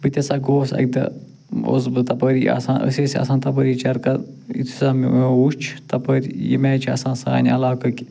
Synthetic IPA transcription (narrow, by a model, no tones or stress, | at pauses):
bɨt̪ʲɐsaːɡoːsɐ̰k̚d̪ɐ̰ | o̰zbɨt̪ɐpəɾiʔɐ̰sãːnʔə̰seːsɐ̰sãːnt̪ɐp̬əɾiːt͡ʃɐɾkɐ | ḭt̪ʰu̥saːmiuõuʃt͡ʃʰt̪ɐpəɾʲjḭmeːt͡ʃʰiɐ̰sãːnsa̰ːnʲiɐlaːkɐki